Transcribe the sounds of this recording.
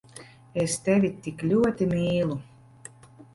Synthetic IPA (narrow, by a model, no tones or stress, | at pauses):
est̪evʲit̪iklʲuɔt̪imʲiːlˠu